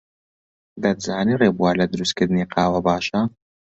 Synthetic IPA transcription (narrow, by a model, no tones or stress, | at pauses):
d̪ɐd̪zaːniːreːbuaːlɐd̪ɨɾust̪̚kɨɾd̪ɨniːqʰɑːwɐbaːʃɐ